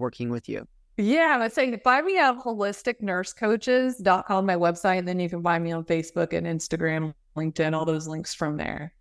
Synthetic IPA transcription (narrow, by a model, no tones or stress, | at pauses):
wɜ˞kʰɪ̃ŋwɪðjʉ̰ | jæɪmaɪdseɪb̥ãɪ̃miʌv̥hoʊlɪstɨk̚nɜ˞skʰoʊt͡ʃɪzdɑt̚kʰɑ̃mmaɪwɛb̥saɪt̪̚ðɨ̃nivɨ̃nbãɪ̃miə̃nfeɪsb̥ʊkɨ̰̃nɪ̃nstɨɡɹæ̃m | lɪ̃ŋk̚tɨ̃nɔlˠðoʊzlɪ̃ŋksfɹʌ̃mðə̰˞